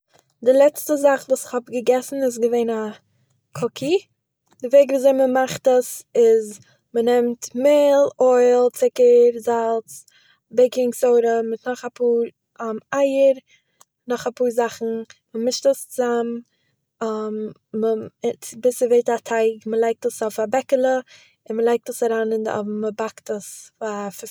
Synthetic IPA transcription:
dɪlˠɛt͡stəzaχvuːsɪ̥χhɔbɡəɡɛsn̩ɪs̬ɡəveɪna | kʰɔkʰi | dɪveɪɡvuːzeɪməmaχtəsɪz | mənɛmtmɪlˠɔɪlˠt͡sɪkəɾzalˠt͡s | beɪkɪŋksoʊɾəmɪtnɔχapʰuːɾ | maɪəɾ | nɔχapuːɾzaχn̩məmɪʃtəst͡sam | amː | ət͡sbɪsəveɪtatʰaɪkməlˠaɪk̚təsɔfabɛkəlˠə | ɪnməlˠaɪk̚təsaɾaːnɪndɔ̰vməbaktəsfaf

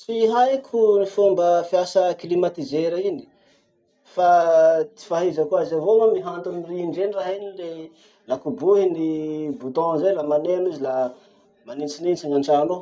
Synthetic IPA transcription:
siɦajkʰunifumbəfiasəklimat̪izeɾaini̥ | fat̪i̥faɦizəkuazavomamiɦant̪umiriiɳɖ͡ʐeniraɦinile | lakubuɦinibut̪ɔ̃zelamanenuzila | manit͡sinint͡saŋaɳʈ͡ʂano

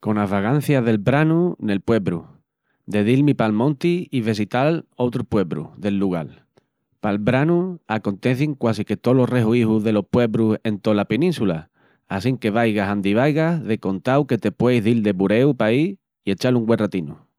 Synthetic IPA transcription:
ko̞naɦβaɣan̟θjaðe̞lbɾanune̞lpwe̞βɾṵ | d̪e̞ðilmipalmõnt̪iiβe̞s̬it̪alo̞t̪ɾupwe̞βɾṵðe̞lːuɣ̞al | palβɾanuako̞nt̪e̞θiŋkwasike̞t̪o̞lo̞re̞ɦuihuɦðe̞lo̞pwe̞βɾuse̞nt̪o̞lapenĩnsula | asiŋke̞β̞ajɣasand̪iβ̞ajɣaðe̞ko̞nt̪awke̞t̪e̞pwe̞jɦðild̪e̞βuɾe̞upai | ie̞t͡ʃaluŋɡwe̞nrat̪inu

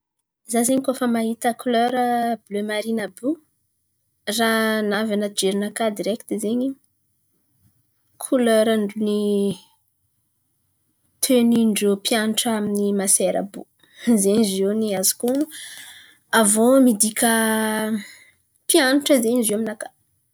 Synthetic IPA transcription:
zazeɲikofəmaɦit̪əkuløɾəblømaɾinəbu | ranavanəd͡ʒeɾinakad̪iɾekt̪izeɲi | kʰuløɾəɳɖ͡ʐuni | t̪ʰøniɳɖ͡ʐopjaniʈ͡ʂəaminimaseɾə̰bṵ | zeɲizewniazi̥kuu | avomid̪ikʲə | pjaniʈ͡ʂəzeɲiziaminakḁ

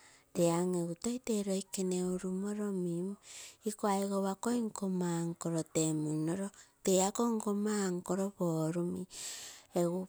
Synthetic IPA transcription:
teaŋeɣutoiteɾoikeneuɾumoɾomimuikoaiɣoβakoiŋkomaŋkoɾotemunoɾoteakoŋkomaŋkoɾoβoɾumi | eɣu

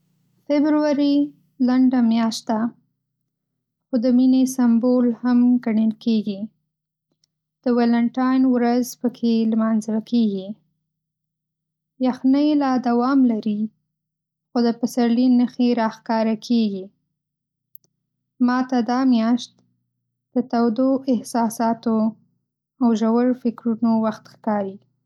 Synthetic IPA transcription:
fɪbɾuwaɾi | laɳɖamjɑʃt̪̚d̪a | xod̪əminesambolhamɡaɳəlkeɡi | d̪̥əwalaɳʈɑjnwɾazpəkʰelmɑnzwakʰeɡi | jaxnəjlɑd̪awɑmlaɾi | xod̪əpasaɾlinəxeɾɑxkɑɾakʰeɡi | mɑt̪ad̪ɑmjɑʃt̪ | d̪̥ət̪awd̪oʔɪhsɑsɑt̪o | awʒawaɾfɪkɾunowaxt̪xkɑɾi

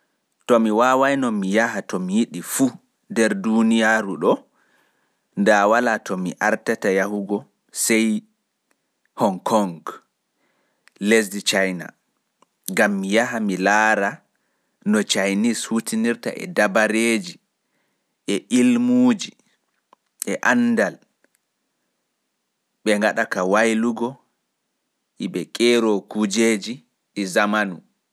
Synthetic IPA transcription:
tɔmiwaːwajnɔmijaɦatɔmijiɗifu | ndɛɾdunijaɾuɗɔ | ndawalatʰɔmḭʔaɾtatajahuɡɔ | sɛj | hɔŋkʰɔŋɡ | lesdit͡ʃajna̰ | ŋɡamːijaɦamilaːɾa | nɔt͡ʃajnishutiniɾta̰ʔɛ̰dabaɾeːd͡ʒi | ʔɛʔilmuːd͡ʒi | ʔɛʔandal | ɓɛŋɡaɗakawajluɡɔ | ʔiɓɛkʼɛɾɔkud͡ʒeːd͡ʒi | ɗɛzamanu

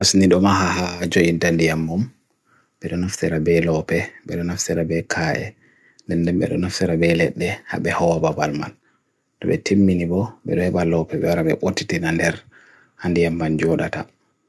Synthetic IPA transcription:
asniɗɔmaɦahad͡ʒoʔintandijamːum | bɛɗɔnaftɛɾabɛlɔpɛɓɛɗɔnaftɛɾabɛkʰaʔɛ̰ | ndɛndɛmbɛ̰ɗɔnaftɛɾabɛlɛɗːɛha̰bɛhɔwababalma̰l | ɗɔbɛtʰemːinibɔɓɛ̰ɗɔhɛɓalɔpɛbɛwaɾabɛ̰ɓotːitinandɛɾ | handijamband͡ʒɔɗata̰

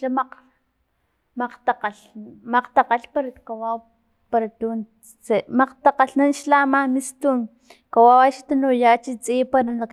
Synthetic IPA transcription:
amaq | maqt̪aqaɬmaqt̪aqaɬpaɾakawaw | paɾat̪un | t͡semaqt̪aqaɬnanʃlamamist̪un | kawawaʃt̪anojat͡ʃit͡sʼipaɾanak

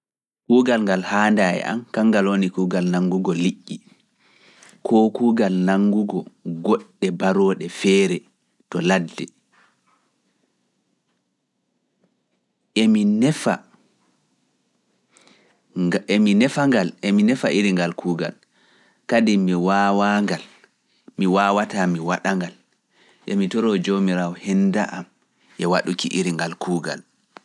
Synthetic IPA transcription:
kuːɡalŋɡalhaːndajɛ̰ʔa̰mkaŋɡalonikuːɡalnaŋɡuɡɔliʔːi | kʰɔkuːɡalnaŋɡuɡɔɡɔɗːɛbaɾɔːɗɛfɛːɾɛ | tɔladːɛ | ʔeminɛfa | minɛfaŋɡalʔɛminɛfaʔiɾiŋɡalkʰuːɡa̰l | kadimiwawaŋɡal | miwawatamiwaɗaŋɡal | ʔɛmitɔɾɔd͡ʒomiɾawɔhɛndaʔam | ʔɛwaɗukiʔiɾiŋɡalkʰuːɡa̰l

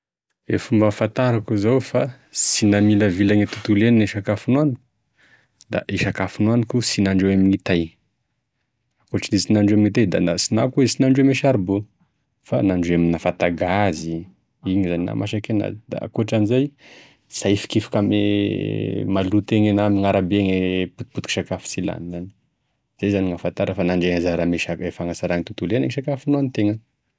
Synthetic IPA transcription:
efumbafat̪aɾakuzawfa | sinamiləvilaɲet̪ut̪ulenineʃakafunwani | d̪a̰ʔiʃakafunuanikusinaɳɖ͡ʐewaminit̪aj | akoʈ͡ʂinizinaɳɖ͡ʐeaminit̪ajd̪a̰nasinakuesinaɳɖ͡ʐemeʃaɾbo | fanaɳɖ͡ʐeaminafat̪aɡazi | iɲizanina̰ma̰ʃakena̰d̪a̰a̰kuʈ͡ʂanizaj | sajfi̥kifi̥kame | malut̪eŋenamiŋaɾabeŋeput̪̚put̪i̥ki̥ʃakafi̥sila̰nani̥ | z̥ajzaniŋafant̪aɾəfanaɳɖ͡ʐeŋazaɾameʃaefaŋasaɾaŋit̪ut̪ulenaŋiʃakafinuanit̪eŋə

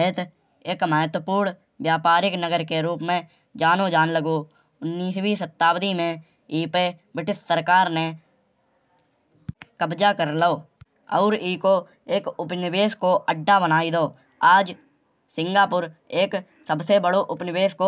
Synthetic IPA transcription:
ɪt̪ | eːkməɦt̪wəpuːɾɳ | ʋjaːpaːɾɪknəɡəɾkeɾuːpmẽ | d͡ʒaːnod͡ʒaːnləɡo | ʊnːiːswiːsət̪ːaːwd̪imẽ | iːpebɪʈɪt̪səɾkaːɾne | kəbd͡ʒakəɾləoː | ɔ̰ːɾiːko | eːkʊpnɪweːskoəɖːabənaːid̪oː | aːd͡ʒ | sɪ̃ŋɡaːpʊɾeːk | səbsebəɽoʔʊpnɪweːsko

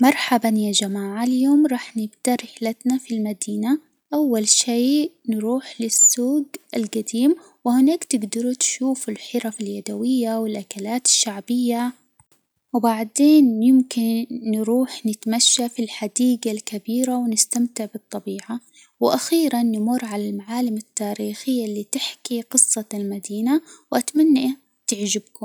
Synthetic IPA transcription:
mɑɾˤħabanjad͡ʒamaːʕaljoːmɾˤɑːħnɪɡd̪ɑɾˤɪħlat̪nafilmad̪iːna | ʔawːalʃeːnɾuːħlɪsːuːɡʔalɡad̪iːm | wɪhɪnaːkt̪ɪɡd̪ɑɾut̪ʃuːfɪlħɪɾafaljad̪awɪjːawɪlʔakalaːt̪ɪ̥ʃːaʕbɪjːa | wbaʕd̪eːnjɪmkɪnːɾuːħnɪt̪maʃːafilħad̪iːɡalkabiːɾawnɪst̪amt̪ɪʕbɨt̪ˤːɑbiːʕa | wɪʔaxiːɾanːɪmʊrˤːʕalalmaʕaːlɪmat̪ːaːɾiːxɪjːalːiːt̪ɪħkiqɨsˤːɑlmad̪iːnawʔat̪manːaʔ | t̪ɪʕd͡ʒɪbkʊ

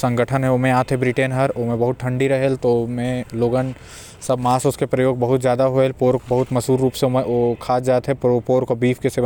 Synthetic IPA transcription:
sɐ̃ŋɡʱəʈʰənɦɛ̃oːmẽaːt̪ɦɛbɾɪʈenɦɐɾoːmẽbɐɦʊt̪̚ʈʰɐ̃ɳɖiɾɐɦelt̪omẽloːɡən | sɐbmaːsʊskepɾɐjoːɡbɐɦʊt̪zjaːd̪aɦoelpoːɾkbɐɦʊt̪mɐsuːɾːuːpsemẽokʰaːd͡ʒaːt̪ɦɛ̃ppoːɾkobiːfʰkeseʋ

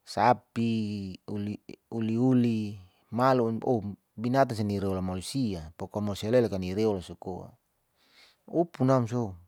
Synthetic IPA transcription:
sapiuliuliuli | maluo | binat̪ans̬ɛniɾeɔlamalusiapokamalusialɛlakaniɾeɔlasukoa̰ | upunams̬ou

